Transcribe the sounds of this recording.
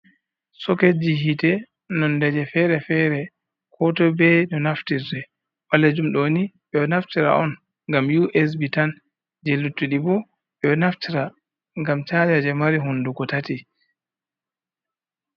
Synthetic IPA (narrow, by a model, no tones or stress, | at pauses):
sɔked͡ʒiɦitɛ | nɔndɛd͡ʒɛfɛɾɛfɛɾɛ | kʰɔtɔbɛnɔnaftiɾdɛ | waled͡ʒumɗoniɓɛɔnaftiɾa̰ʔɔn | ŋɡamjuʔɛs̬bitan | d͡ʒelutːuɗibɔ | ɓɛɔnaftiɾa | ŋɡamt͡ʃaːd͡ʒad͡ʒɛmaɾiɦundukɔtati